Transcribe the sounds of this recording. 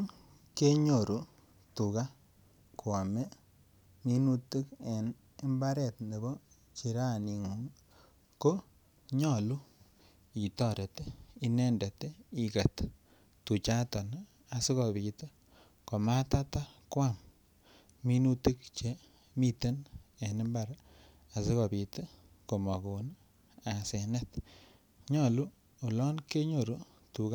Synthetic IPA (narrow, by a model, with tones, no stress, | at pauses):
n | ke˦ɲo˨ɾu˨ | tu˨ka˦ | kwa˨me˦ | mi˦nu˦ti˦ke˨n | e˦mba˦ɾɛ˨tne˨bɔ˦ | t͡ʃi˨ɾa˦˨ni˨ŋu˨ŋ | ko˦ | ɲɔ˦˨lu˦ | i˨tɔ˨ɾe˨te˦i˦nɛ˦nde˨te˦i˨ka˨t | tu˨t͡ʃa˦tɔ˨n | a˨si˦kɔ˨pi˨tə˦ | ko˨ma˦ta˦ta˦kwa˦˨m | mi˦nu˦ti˦kt͡ʃe˦ | mi˦˨te˦ne˨nɪ˦mba˨ɾ | a˨se˦kɔ˨bi˨t | ko˨ma˨ko˨n | a˨se˨nɛ˦t | ɲɔ˨lu˦ | o˨lɔ˦nke˦ɲo˨ɾu˨ | tu˨k